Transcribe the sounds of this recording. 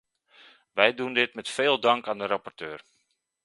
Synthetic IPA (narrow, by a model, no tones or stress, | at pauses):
ʋɛjdundɪtmɛtfeːlˠdɑŋkaːndəɾɑpɔrtøːr